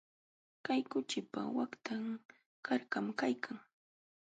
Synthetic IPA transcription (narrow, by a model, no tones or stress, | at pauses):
kajkʊt͡ʃɪpa̰wakt̪ʰaŋ | kʰaɾkamkajkʰaŋ